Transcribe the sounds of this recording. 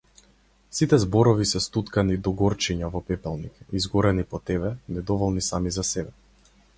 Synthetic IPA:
sit̪ɛzbɔɾɔvisɛst̪ut̪kanid̪ɔɡɔɾt͡ʃiɲavɔpɛpɛlˠnikizɡɔɾɛnipɔt̪ɛβɛnɛd̪ɔvɔlˠnisamizasɛbɛ

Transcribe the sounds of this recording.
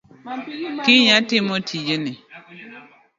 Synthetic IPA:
kiɲatimotʰid͡ʒene

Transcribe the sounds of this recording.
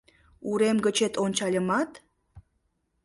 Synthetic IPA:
uɾemɡə̆t͡ɕet̪onʲt͡ɕɑlʲəmɑt̪

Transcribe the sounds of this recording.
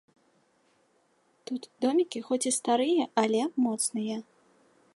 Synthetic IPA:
t̪ut̪d̪ɔmʲikʲixɔt͡sʲist̪aɾɨjɐʔɐlʲɛmɔt̪snɨjɐ

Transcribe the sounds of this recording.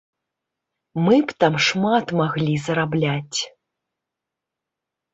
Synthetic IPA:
mɨpt̪amʂmat̪maɣlʲizɐɾablʲat͡sʲ

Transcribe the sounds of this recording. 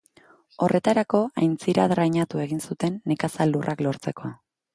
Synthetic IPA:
o̞rʔe̞t̪aɾako̞ajnt͡siɾaðɾajɲat̪ue̞ɣ̞insut̪e̞nːekasalːurʔaklo̞ɾt͡se̞ko̞a

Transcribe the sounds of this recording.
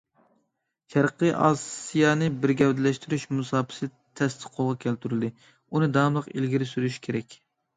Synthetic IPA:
ʃʰæɾqəʔɑ̰ːsijɑnɨbɪɾɡʲɛwd̪ɪlɛʃt̪yɾyʃmusɑːpʰɪ̥sɪ | t̪ʰɛst̪ʰɨ̥qʰːolˠʁɑkʲʰɛlt̪yɾyld̪ɪ | unɨd̪ɑːmlˠəqilɡʲiɾɪsyɾyʃi̥kʲʰeɾɛkʲ

